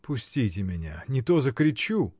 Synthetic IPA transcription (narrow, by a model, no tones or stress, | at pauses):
pʊsʲtʲitʲɪmʲɪnʲa̰nʲɪt̪ozəkɾʲɪt͡ɕu